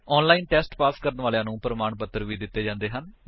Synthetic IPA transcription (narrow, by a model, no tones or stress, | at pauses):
ɔːnlaːiːnʈɛːsʈpaːskəɾənʋaːleãːnũːpɾəmaːɳpət̪ːəɾʋiːd̪ɪt̪ːeːd͡ʒãːnd̪eːɦən